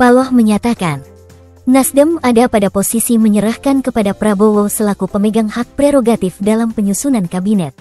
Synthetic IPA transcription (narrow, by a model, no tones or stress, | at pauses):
palɔhməɲat̪akanː | asdəmadapadaposisiməɲəɾahkankəpadapɾabowosəlakupəmeɡaŋhak̚pɾeɾoɡat̪ɪfdalampəɲusunankabinɛt̪̚